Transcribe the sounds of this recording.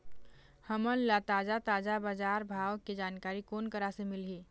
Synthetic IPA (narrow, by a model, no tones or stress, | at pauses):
həmənlat̪ad͡ʒat̪ad͡ʒabəd͡ʒaɾbʱawked͡ʒankaɾikonkəɾasẽmilɦi